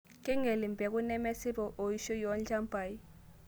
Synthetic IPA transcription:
kʼi˦ŋe˨li˨mbʱɛ˨k̬ʼu˦nɛ˦mɛ˦si˦ɓɔ˨ʔo˨ji˦ʃɔ˦jɔ˦nd͡ɮa˦mbʱa˨ji˦

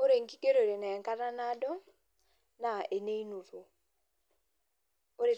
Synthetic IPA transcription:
o˦ɾe˨ŋ̩˦ɡi˦ke˦ɾo˨ɾe˨nɛː˨ŋka˦ɾa˦na˦dɔ˦ | na˨e˨ne˦i˦no˨ɾo˨ | o˦ɾe˨

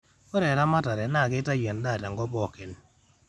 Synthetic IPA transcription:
ɔ˦ɾɛ˨ɾa˦ma˦ta˨ɾɛ˨na˦˨ɡe˦ta˦ja˨nda˦˨ta˨ŋɡɔ˦bɔ˦˨ke˨n

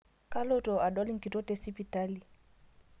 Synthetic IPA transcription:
ka˦lo˦tɔ˨a˨ɗɔ˦li˦ŋ̩ki˨to˦te˦si˦pi˨ta˦li˨

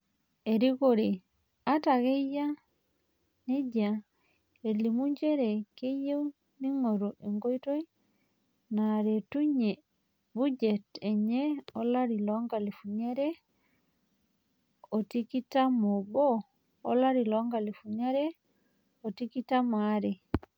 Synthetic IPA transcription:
e˨ɾi˦koɾe˨ | a˦ta˨ɣe˦ja˦ | ne˦ɟa˨ | e˨li˨mu˦ɲd͡ʒe˦ɾe˨ke˦je˦w | ni˦ŋo˨ɾo˨ʔe˨ŋɡo˦i˦to˦i˦ | na˨ɾetu˦ɲe˨ | buɟete˨ɲeolaɾilɔŋɡa˨li˨fuɲeɾe | otikitamoboː | laɾilɔŋɡali˨fuɲaɾe | otiki˦tamaɾe

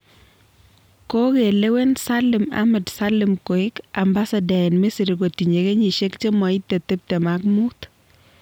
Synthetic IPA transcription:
ko˦ke˨le˦we˦nsalɪma̰mɛ˨dsalɪmko˨ɪ˦kamba˦sadɛnme˦si˨ɾɡo˨ti˨ɲe˨ke˦ɲi˨ʃe˦kt͡ʃe˦mɔ˨ɪt̪ːe˨t̪e˦p̚te˨mak̚mut̪

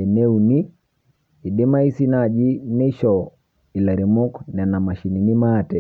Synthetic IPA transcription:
ɛ˨nɛ˦u˨ni˦ | i˨ɗɛ˦ma˦i˦si˦nad͡ʒi˦nɛ˦ʃɔ | i˨la˨ɾi˨mɔ˦kna˨na˨ma˨ʃi˨ni˨ni˦maːtɛ˨

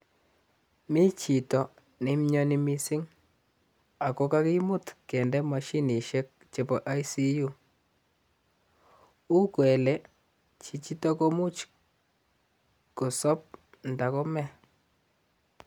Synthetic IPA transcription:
mi˦t͡ʃi˨tɔ˨ | nɪ˦mɲɔ˦ni˦mi˦sɪ˦ŋ | a˨ko˨˦ka˦ki˦mʊ˦tkɛ˨ndɛ˦ma˨ʃi˦ni˨ʃɛ˦k̚t͡ʃe˨pɔ˨ʔa˦jsi˦ju˦ | u˦kwɛ˨lɛ˦ | t͡ʃi˨t͡ʃi˦tɔ˦ko˦mu˦t͡ʃ | ko˨sɔ˦p̚ | nda˨ko˦mɛ˦˨

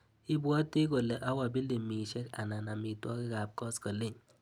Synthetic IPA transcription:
i˦bu˦ɔ˦ti˦ko˨le˨ʔa˦wa˨bi˦le˨mi˨ʃe˦ka˨na˨na˨mi˨twɔ˦ki˦ka˨p̚kɔ˦skɔ˨le˦˨ɲ

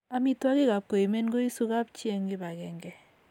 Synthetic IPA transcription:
a˨mi˦twa˦kɪ˦ka˨p̚ko˨i˨me˦nɡo˦i˦su˦ka˦pt͡ʃe˦ŋɡɪ˦ba˨kɛ˨ŋɡɛ˨

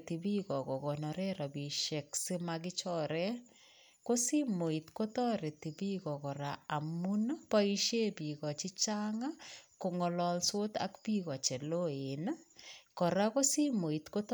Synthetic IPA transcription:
ti˨bi˦kɔ˨kɔ˨kɔ˨na˨ɾɛ˦ɾa˨bi˨ʃɛ˨ksi˦maɡɪ˦t͡ʃɔɾɛ˦ | ko˦si˦mo˨i˨tko˦tɔ˦ɾe˨ti˨bi˦kɔ˨kɔ˨ɾa˨a˨mu˦nɔ˦pa˦i˦ʃje˦bi˨ɣɔ˨t͡ʃi˦t͡ʃaŋa˦ko˨ŋɔ˨lɔ˨lso˦ta̰˦kbi˦ɣɔ˨t͡ʃɛ˨lo˦e˨n˦kɔ˨ɾa˦ko˦si˦mo˨i˨tko˦t

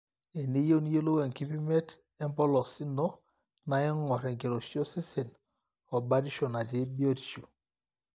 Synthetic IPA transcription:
e˨ne˦jo˦ni˦je˦lo˦we˨ŋ˨ki˦pi˦me˦t | ɛ˦m˦pɔ˦lɔ˨si˦nɔ˦ | na˨jɛ˦ŋɔ˨ɾɛ˨ŋ˨ke˨ɾo˨si˦o˦se˦se˨n | ɔ˨ba˦di˦ʃo˨na˨d͡ʒe˨˦bi˦o˦di˨t͡ʃo˨

